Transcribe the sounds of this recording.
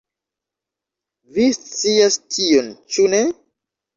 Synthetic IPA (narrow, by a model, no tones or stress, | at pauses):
vist͡siastʰiont͡ʃune̞